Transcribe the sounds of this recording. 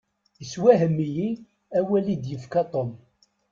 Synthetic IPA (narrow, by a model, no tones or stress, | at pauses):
jəswæɦəmːiji | æwælid̪jəfkɑt̪ˤom